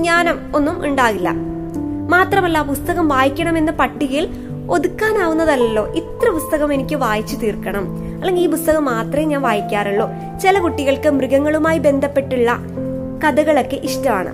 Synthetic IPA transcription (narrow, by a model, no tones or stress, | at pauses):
ɲaːnɐmo̞nːumṵɳɖaːɣilːɐ̰ | maːt̪rɐmɐlːapust̪ɐɣɐmʋaːjikʲːɐɳɐme̞nːɨpɐʈːiɣil | o̞ðukːaːnaːʋunːɐðɐlːo̞̰ːʔit̪rɐpust̪ɐɣɐme̞nikʲːɨʋaːjit͡ɕːut̪iːrkːɐɳɐm | ɐlːeŋɡiiːpust̪ɐɣɐmːaːt̪rɐjɲaːnʋaːjikʲːaːɾɐɭːo̞ː | t͡ɕelɐkuʈːiɣɐɭkɨmriɣɐŋːɐɭumaːjibe̞nd̪ʱɐpːe̞ʈːuɭːɐ̰ | kɐðɐɣɐɭo̞kːeʔiʂtɐma̰ːɳɨ̰